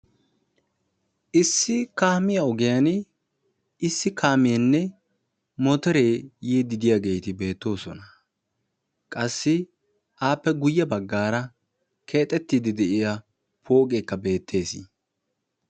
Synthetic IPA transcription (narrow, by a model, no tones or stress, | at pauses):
ʔɪsːɪkaːmɪjɐɔɡɪjɐn | ɪsːɪkʰaːmɪjenːɛ | mɔt̪ɔɾe̞ːjeːd̪ɪd̪ɪjaɡe̞ːt̪ɪbe̞ːt̪ːo̞ːsɔnɐ | kʼɐsːɪ | ʔaːpːɛɡʊjːɐbɐɡːaːɾɐ | kʰe̞ːt̪ʼːɛt̪ːiːd̪ɪd̪ɛʔɪja | pʰo̞ːkʼeːkːɐbe̞ːt̪ːe̞ːsi